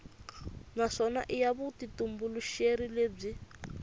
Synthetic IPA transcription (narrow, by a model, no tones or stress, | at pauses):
naʂɔnaʔijaβutitumbuluʃeɾileːb͡ʐi